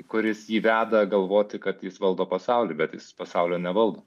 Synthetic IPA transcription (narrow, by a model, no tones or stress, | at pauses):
kʊɾʲɪsjiːʋʲæːd̪ɐɡɐlˠʋoːt̪ʲɪkɐt̪jɪsʋɐlˠd̪oːpɐsɑʊlʲɪbʲɛt̪jɪ̰spɐsɑʊlʲoːnʲɛʋɐlˠd̪oː